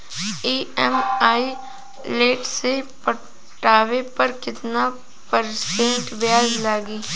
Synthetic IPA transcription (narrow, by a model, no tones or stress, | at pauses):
iːɛmaːi | leːʈsepɐ | ʈaːʋepɐɾkɪt̪na | pəɾsẽɳʈʋjaːd͡ʒlaːɡiː